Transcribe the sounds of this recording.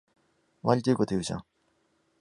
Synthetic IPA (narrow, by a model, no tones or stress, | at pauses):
βaɾʲit̪oiko̞t̪ojɯːʑã̰